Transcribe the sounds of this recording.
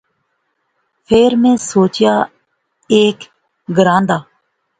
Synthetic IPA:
pʰeːɾmẽːsoːt͡ʃɪjaː | eːk | ɡəɾãːnd̪aː

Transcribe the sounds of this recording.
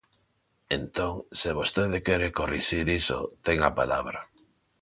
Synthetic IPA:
ent̪oŋseβost̪eðekeɾekoriʃiɾiso̰t̪eŋapalaβ̞ɾa

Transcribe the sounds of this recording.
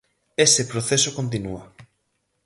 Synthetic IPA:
esepɾoθesokont̪̬inua

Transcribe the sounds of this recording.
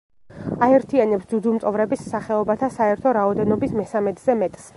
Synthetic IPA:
aɛɾt̪ʰianɛpsd̪ud̪umt̪sʼɔvɾɛbissaχɛɔbat̪ʰasaɛɾt̪ʰɔɾaɔd̪ɛnɔbismɛsamɛt̪ʰʼzɛmɛt̪ʼs

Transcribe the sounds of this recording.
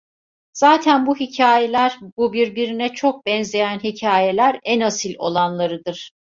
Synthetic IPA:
z̥aːt̪ʰænbuɦicʰaːjelʲæɾbubiɾbiɾinɛt͡ʃʰo̞k̚bɛnze̞jænɦicʰaːje̞lʲæɾænasilʲo̞̰lˠanlˠaɾɯd̪ɯɾ̥

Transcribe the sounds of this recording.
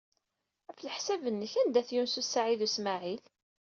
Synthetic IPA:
əfləħsævənːəçænd̪æθjunsusaʕiðusmaʕil

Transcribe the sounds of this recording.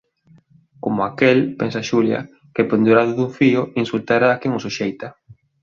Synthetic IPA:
komoakelpensaʃuljɐ̰ | keɪpend̪uɾaðʊðuɱfiʊinsult̪aɾaːkeŋʊsuʃejt̪ɐ

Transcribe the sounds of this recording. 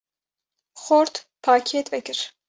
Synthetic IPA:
xoɾt̪ | pʰaːkʰeːt̪vɛkɨɾ

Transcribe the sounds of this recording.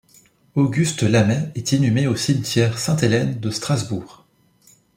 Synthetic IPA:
oɡʲyst̪lamɛɛt̪enymeosimt̪ʲjɛʁsɛ̃t̪elɛnd̪əst̪χazbuːʁ

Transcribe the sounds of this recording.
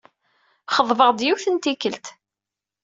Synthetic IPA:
χəðˤvəʁd̪juθənt̪ikːəlt̪

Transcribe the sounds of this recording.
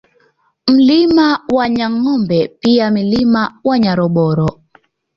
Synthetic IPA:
m̩limawaɲaŋɔmbɛpiamilimawaɲaɾɔɓɔɾɔ

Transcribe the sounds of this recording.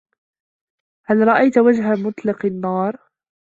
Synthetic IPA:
halɾˤɑʔajt̪wad͡ʒɦamʊt̪ˤlɑqɑnːɑːɾˤ

